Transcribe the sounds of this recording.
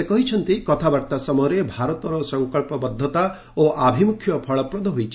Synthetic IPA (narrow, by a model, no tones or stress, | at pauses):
ekɔɦit͡ʃʰɔnt̪ikɔt̪ʰabaɾt̪asɔmɔɾebʱaɾɔt̪ɔɾɔsɔŋkɔɭpɔbɔd̪ʱːɔt̪a | oʔabʱimukʰjɔpʰɔɭɔpɾɔd̪ʱɔɦojt͡ʃʰi̥